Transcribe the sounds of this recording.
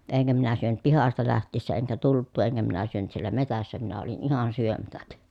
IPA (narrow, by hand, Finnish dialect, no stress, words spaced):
eŋkæ minæ syønyt pihɑstɑ læhtˑiːsːæ eŋkæ tultˑuː eŋkæ minæ syønyt sielˑæ metæsːæ minæ olin ihɑn syømætæk